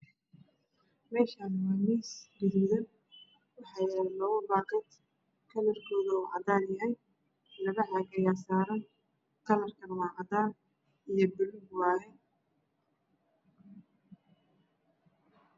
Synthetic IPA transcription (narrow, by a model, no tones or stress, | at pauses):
mɛːʃaːnwɐniːsdɪd̪mʊðɐn | wɑħɑːjɛlɔːɣɐbaːqɛt̪ | kʰɐlɐrkʰɔːðɐɔːʕɑ̰d̪aːljɐɦɛj | lɐɣɐʕɑɡɐjaːsaːɾɐn | k̪ʰɐlɐrkʰɐnɐwɑːqɑt̪aːn | ijɞbɪlʊɡwɑːɣɛn